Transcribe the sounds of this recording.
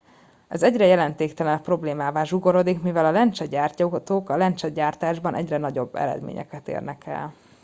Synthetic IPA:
ɛzɛɟrɛjɛlɛnt̪eːkt̪ɛlɛnpro̞bleːmaːvaːʒuɡoɾo̞d̪ikmivɛlɒlɛnt͡ʃɛɟaːrcot̪oːkɒlɛnt͡ʃɛɟaːrt̪aːʒbɒnʔɛ̰ɟrɛnɒɟo̞bːɛ̰ɾɛ̰d̪mḛːɲɛ̰kɛt̪ḛːrnɛkɛ̰l

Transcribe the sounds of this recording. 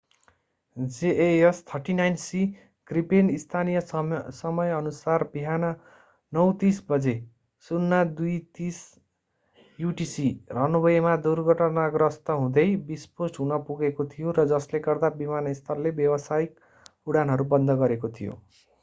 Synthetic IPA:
d͡zeʔeʌst̪ʰʌrʈinajnsi | ɡ̥ripenist̪ʰanijʌsʌmʌjʌnusarbiɦanʌ | nʌwt̪isbʌd͡ze | sunːad̪ujt̪is | juʈisirʌnubʌjemad̪urɡʱʌʈʌnaɡrʌst̪ʌɦũd̪ʌjbisposʈɦunʌpuɡekot̪ʰijoɾʌd͡zʌsleɡʌrd̪abimanʌist̪ʰʌrlebjʌbʌsajik̚ | uɽanɦʌɾubʌnd̪ʱʌɡʌɾekot̪ʰijo̰

